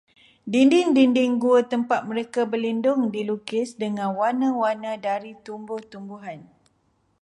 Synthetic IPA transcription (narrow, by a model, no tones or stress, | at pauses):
dindɪŋdindɪŋɡuət̪əmpat̪̚mə̃ɾekabəlindʊŋdilukɪsdəŋãnwanə̃wanə̃daɾit̪umbʊht̪umbuɦan